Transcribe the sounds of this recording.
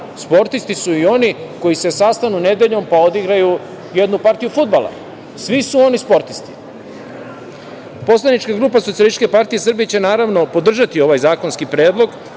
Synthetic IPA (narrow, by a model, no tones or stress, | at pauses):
spo̞ɾt̪ist̪isuio̞niko̞jise̞sast̪anune̞d̪e̞ʎo̞mpao̞d̪iɡɾaju | je̞d̪nupaɾt̪ijufud̪̚bala̰ | sʋisuo̞nispo̞ɾt̪i̥st̪i̥ | po̞slˠanit͡ʃkaɡɾuːpasot̪ialit̪ke̞paɾt̪ije̞srbijet͡ɕe̞naːɾaʋno̞po̞d̪r̩ʒat̪io̞ʋajzaːko̞nskipɾeːd̪lˠo̞ɡ